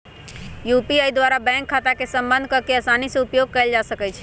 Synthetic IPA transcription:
jupiajd̪waɾabɛ̃ŋkʰːat̪akesəmbənd̪ʱkəɾkeəsanisẽupjoɡ̚kɛld͡ʒasəkɛt͡ʃʰ

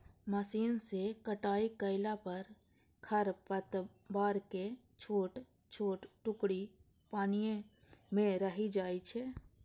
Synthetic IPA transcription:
məsiːnsekəʈaːikəɪlapəɾ | kʰəɾpət̪ | baːɾke | t͡ʃʰoːʈ | t͡ʃʰoːʈʈʊkɽi | paːnijẽ | mẽɾəɦid͡ʒaːit͡ʃʰɛː

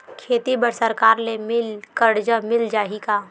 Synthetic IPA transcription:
kʰeːt̪ibəɽsəɾkaːɾlemɪlkəɽd͡ʒəmɪld͡ʒaːɦikaː

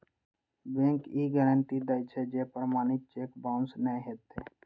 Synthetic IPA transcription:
bẽːŋkiːɡɛːɾəɳʈid̪əɪt͡ʃʰed͡ʒeːpɾmaːnit͡ʃeːkbãːʊnsnəẽɦet̪eː

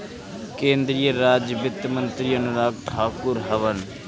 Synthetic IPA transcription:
kẽːnd̪ɾijəɾaːd͡ʒbɪt̪mənt̪ɾijənɾaːɡ̚ʈʰaːkʊɾɦɐʋən

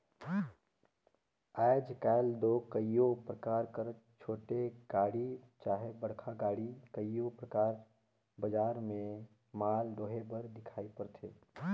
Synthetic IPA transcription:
aːd͡ʒkɛːld̪oːkəijopɾəkaːɾkəɾt͡ʃʰoːʈeɡ̥aːɽi | t͡ʃaːɦebəɽ̤kʰaɡaːɽikəijopɾəkaːɾ | bəd͡ʒaːɾmẽ | maːld̪oːɦebəɾd̪ɪkʰaːipəɾt̪ʰeː

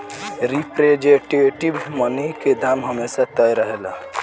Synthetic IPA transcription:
ɾipɾed͡ʒeʈeʈibmənəiked̪ʱamɦəmesat̪əjɾəɦelə

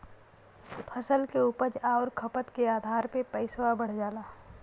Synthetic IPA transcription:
pʰəsəlkeuːpəd͡ʒaːʊɾkʰɐpət̪keaːd̪ʱaːɾpepɛɪswabəɽ̤d͡ʒaːlaː

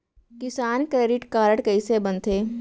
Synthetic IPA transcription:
kɪsaːnkɾeːɖɪʈkaːɾəʈkɐisebɐ̃nt̪ʰeː

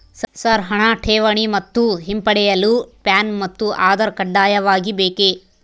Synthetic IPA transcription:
ssɐɾɦɐɳaːʈʰeːʋɐɳimɐt̪ːuɦimpɐɽɛjɐlupjaːnmɐt̪ːuʔaːd̪ɐɾkɐɖːaːjɐʋaːɡibeːke

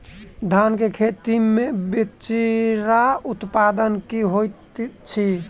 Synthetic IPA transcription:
d̪ʱankekʰet̪imebet͡ʃiɾaut̪pad̪ənkiɦojt̪t͡ʃʰi

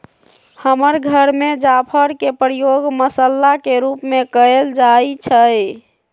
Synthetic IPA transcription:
həməɾɡʱəɾmed͡ʒapʰəɾkepɾjoɡməsəlːakeɾupmekəeld͡ʒajt͡ʃʰəj

